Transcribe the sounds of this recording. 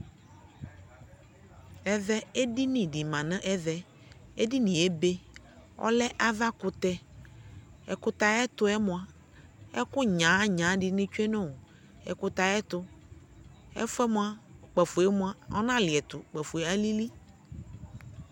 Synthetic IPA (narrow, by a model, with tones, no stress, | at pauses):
ɛ˦vɛ˦e˦di˦nĩ˨ɖi˨mã˨nɛ̃˦ʔɛ˦vɛ˨ | e˦di˦nĩ˨e˦be˦ | ɔ̰˦lɛ˦ʔa˨va˦kʊ˨t̪ɛ˦ | ɛ˨kʊ˦t̪a˨ɛ˦t̪ʊ˦ɛ˦mʊ̃˨a˨ | ɛ̰˦kʊ˦ɲã˨˦ɲã˨˦ɖɪ˨nɪ̃˦t͡ʃu˦e˦nɛ̃˦˨o˨ | ɛ̰˨kʊ˦t̪a˨ɛ˦t̪ʊ˦ | ɛ̰˦fɛ˦mʊ̃˦a˦˨k͡pɛ˨fʊ˨ɛ˦mũ˦a˦ɔ̰˦nã˦lɪ˨ɛ˨t̪ʊ˨k͡pɛ˨fu˨e˨a˦li˦li˦